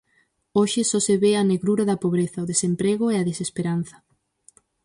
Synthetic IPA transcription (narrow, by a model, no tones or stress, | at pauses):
oʃɪsɔseβeɐneɣɾuɾɐðɐpoβɾeθɐoðesempɾeɣʊeaðesespeɾan̟θɐ̥